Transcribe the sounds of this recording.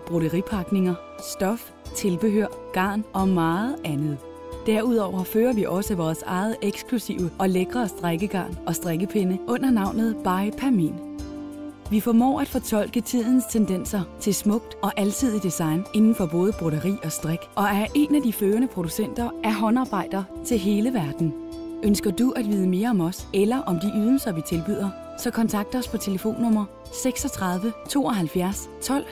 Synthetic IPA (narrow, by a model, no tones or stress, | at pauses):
b̥ʁoɾəʁipʰɑ̈ɡ̥ne̝ŋɐ | sd̥ɒ̽f | t͡sʰe̝lb̥e̝ɦøɐ̰ɡ̥ɑ̈ːnʔɒ̽mɑ̈ːð̩ˠænð̞̩ˠ | d̥æɐuð̞̰ˠɒʊ̰ɐføːɐʋiʔɒ̽səʋɒːsɑ̈ɪð̞̩ˠeɡ̥skʰlusḭʊəʔɒ̽leɡ̥ʁɐːsd̥ʁaɡ̥əɡ̥ɑ̰̈ːnɒ̽sd̥ʁeɡ̥əpʰenəʔɔ̽n̰ɐnɑ̈ʊ̰nð̞̩ˠb̥ɑ̈ɪpʰæɐmḭn | ʋifɒmɒ̰ːæd̥fɒ̽t͡sʰɒ̽l̰ɡ̥ət͡sʰið̰ˠn̩st͡sʰend̥en̰sɐt͡sʰe̝lsmɔ̽ɡ̥̚d̥ɒ̽ʔælt͡sʰið̞̰ˠid̥isɑ̈ɪne̝nn̩fɒ̽b̥ɔ̽ːð̞ˠəb̥ʁoɾɐʁḭːɒ̽sd̥ʁaɡ̥ʔɒ̽æɐɐʔe̝næd̥iføːɐnəpʰʁo̝d̥usen̰d̥ɐʔæɦɒ̽nɑ̈ːb̥ɑ̈ɪ̰d̥ɐːt͡sʰe̝lɦe̝ːləʋæɐd̥n̩ | ʔønsɡ̥ɐd̥uʔæd̥ʋiːð̞ˠəme̝ːɐɒ̽mɒ̽selɐʔɒ̽md̥iʔyð̞ˠl̩sɐʋit͡sʰe̝lb̥yð̰ˠɐ | sɒ̽kʰɒ̽nt͡sʰɑ̈ɡ̥̚d̥ɐɒ̽spʰɒ̽t͡sʰe̝ləfo̝̰ːnːɔ̽m̰ɐ | seɡ̥sɒ̽t͡sʰʁɑ̈ðˠʋət͡sʰo̝̰ːɒ̽ɦælfjæɐs | t͡sʰɒ̽l̰